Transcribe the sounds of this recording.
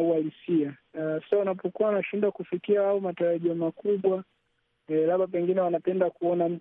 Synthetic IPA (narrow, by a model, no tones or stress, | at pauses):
ualisiasḁsaunapɔkuwawnaʃindwakufikiahaɔmataɾaʄiɔmakuɓwa | laɓap̬ɛŋɡinɛwanapɛndakuɔnam̩